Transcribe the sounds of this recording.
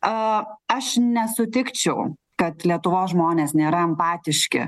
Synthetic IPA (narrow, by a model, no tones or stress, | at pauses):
ɐʃnʲɛsʊt̪ʲɪkt͡ʃʲɛʊ | kɐt̪lʲiɛt̪ʊʋoːsʒmoːnʲeːsnʲeːɾɐɛmpɑːt̪ʲɪʃʲkʲɪ̰